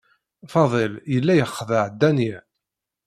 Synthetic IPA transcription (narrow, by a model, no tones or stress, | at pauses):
fɑðˤeljəlːæjəχːðəʕd̪ːæniʕ